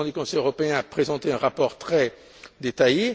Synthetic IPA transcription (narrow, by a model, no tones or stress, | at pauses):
d̪ykɔ̃sɛjøʁɔpeɛ̃apχezɑ̃t̪eɛ̃ʁapɔʁt̪χɛ | d̪et̪aje